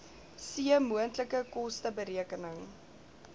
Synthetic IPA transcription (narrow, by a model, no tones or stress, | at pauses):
siəmuəntləkəkɔstəbəɾiəkənəŋ